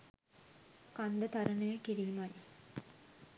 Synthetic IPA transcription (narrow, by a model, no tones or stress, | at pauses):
kand̪ət̪aɾənəjəkiɾiːman